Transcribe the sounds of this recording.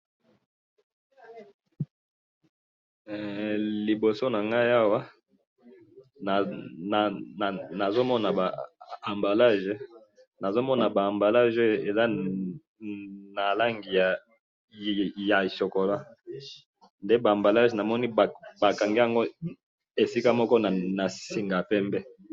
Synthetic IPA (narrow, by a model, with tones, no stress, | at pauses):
li˨bo˨so˦na˨ŋɡa˦ja˦wa˦ | n˨ | na˨zo˦mɔ˦na˨ba˨a˨mba˨la˦ʒe˦ | na˨zo˦mɔ˦na˨baː˨mba˨la˦ʒe˦e˨za˦ | na˨la˦ŋɡi˨ja˨ | ja˨ʃo˨ko˨la˦ | nde˦ba˨mba˨la˦ʒna˨mɔ˦ni˦˨ba˨ka˨ŋɡi˦a˨ŋɡo˦ | e˨si˦ka˦mɔ˦kɔ˦na˨na˨si˨ŋɡa˨pɛ˦mbɛ˦